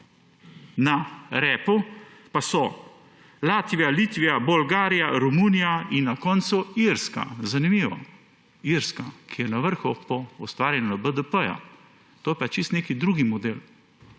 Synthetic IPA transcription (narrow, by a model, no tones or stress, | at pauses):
naɾɛːpupasɔ | laːt̪ʋijaliːt̪ʋijabɔlɡaːɾijaɾɔmuːnijainːakɔːnt̪suiɾska̰zanimiːʋɔ̰ | iɾskakʰijɛnaʋəɾxɔpɔɔst̪ʋaːɾjɛnabəd̪əpəja̰ | t̪oːjɛpat͡ʃist̪neːkid̪ɾuːɡimɔd̪eːl